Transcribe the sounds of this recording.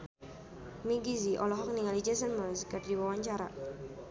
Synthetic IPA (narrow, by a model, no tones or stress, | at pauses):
miɡiziʔɔlɔɦɔk̚niŋalid͡ʒɛsənməlskərdiwawaɲt͡ʃaɾa